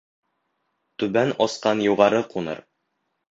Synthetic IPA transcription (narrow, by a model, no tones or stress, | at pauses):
t̪ʉbænɒsqɑnjuʁɑɾɤqunɤ̰ɾ